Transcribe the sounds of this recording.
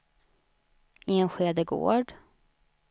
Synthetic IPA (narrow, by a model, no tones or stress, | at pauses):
ɪɛnɧeːd̪əɡo̰ːɖ